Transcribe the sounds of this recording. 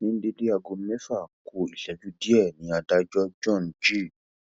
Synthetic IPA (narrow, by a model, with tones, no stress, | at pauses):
nĩ˨˦n̩˦de˧de˦a˧ɡo˨˧˦mɛ˦fa˦˨kʰo˨i˨ʃɛ˨˦d͡ʒu˦di˦ɛ˦˨nĩ˨˦a˧da˧d͡ʒɔ˦d͡ʒɔ̃˦˨nd͡ʒi˦˨